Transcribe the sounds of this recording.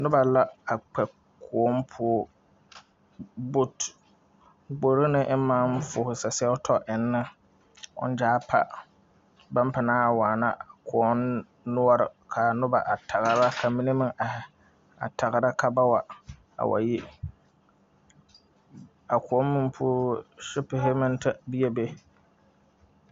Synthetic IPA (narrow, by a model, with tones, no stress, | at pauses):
nʊ˦ba˨la˦a˨k͡pɛ˨ | kʰʊ˨ɔ˦mpʰʊ˦ | bo˦t | ɡ͡bo˨ɾo˦nɪ˦ʔma˦nfʊː˨hʊ˨sa˨sɛ˦ʊ˦tʰɔ˦ʔɪ˨nːɪ˦ | ʊ̰˦n˦d͡ʒaː˦pʰa̰˨ | ba˦mpa˨naː˦a˨waː˨na˦a˨kʰʊ˨ɔ˦nː | ʊ˦ɔ˦ɾɪ̰˨kʰa˨nʊ˦ba˨ʔa˨tʰa˨ɣa˨˦ɾa˦kʰa˨mi˦ne˦mɪ˦ŋa˨hɪ˨ | a̰˨tʰa˨ɣɪ˨ɾa˦kʰa˨ba˦wa˨ | a̰˨wa̰˨ji˦ | a˨kʰʊ˨ɔ˦n˦mɪ̃˦m˦pʰʊː˦ʃɪ˦pɪ˨ɦɪ˦mɪ̃˦ntʰa˦bi˦e˦be˦